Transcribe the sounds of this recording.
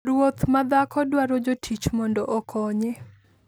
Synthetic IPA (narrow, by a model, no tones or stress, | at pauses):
ɾwot̪mad̪akɔdwaɾod͡ʒotʰit͡ʃmɔndɔʔɔkʰɔɲɛ